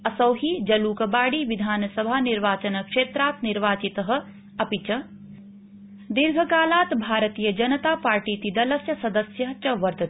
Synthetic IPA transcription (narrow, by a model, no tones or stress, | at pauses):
ɐsɐwɦiːd͡ʒɐluːkɐbaːɽiʋid̪ʱaːnɐsɐbʱaːniɾʋaːt͡ʃɐnɐkʂeːt̪ɾaːt̪niɾʋaːt͡ʃit̪ɐɦɐ̆ | ɐpit͡ʃɐ | d̪iɾɡʱɐkaːlaːt̪bʱaːɾɐt̪iːjɐd͡ʒɐnɐt̪aːpaːɾʈiːt̪id̪ɐlɐsjɐsɐd̪ɐsjɐɦt͡ʃɐʋɐɾd̪ɐt̪